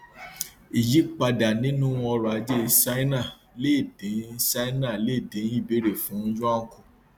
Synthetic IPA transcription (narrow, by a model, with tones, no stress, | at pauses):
i˨d͡ʒi˦k͡pa˧da˨nĩ˨˦nũ˦˧˦ɔ˧ɾɔ˨a˨˦d͡ʒe˦˧sa˦i˦nã˦˨ | le˦˨dĩ˨˦sa˦i˦nã˦˨le˦˨dĩ˨˦i˦˨be˨˦ɾe˨fũ˨˦n̩˦d͡ʒũ˦a˦ŋ̩˦kũ˨